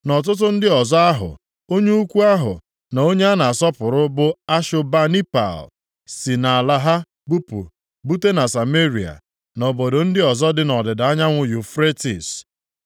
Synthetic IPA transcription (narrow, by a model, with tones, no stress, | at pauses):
nɔ˨t̬ʊ˦t̬ʊ˦n̩˦dɪ˦ɔ˨zɔ˦a˦ɦʊ̰˨ | o˦ɲe˦u˦kʷu˦a˦ɦʊ̰˨ | na˨o˦ɲe˦a˦na˨sɔ˦pʊ˨ɾʊ˦bʊ˦a˦ʃʊ˦ba˦ni˦pa̰˨l | si˨na˨a˨la˦ɦa˦ | bu˦pṵ˨ | bu˦te˦na˨sa˨me˦ɾi˨a̰˨ | no˨bo˨do˨n̩˦dɪ˦ɔ˨zɔ˦dɪ˦nɔ˨dɪ˨da˨a˦ɲa˦ŋʷʊ˨ju˨fɾe˦tḭ˨s